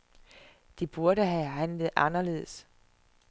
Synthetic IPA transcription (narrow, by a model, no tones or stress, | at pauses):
d̥ib̥uɐɾəɦæɦænləð̩ˠʔɑnɐle̝ːð̞̩̰ˠəs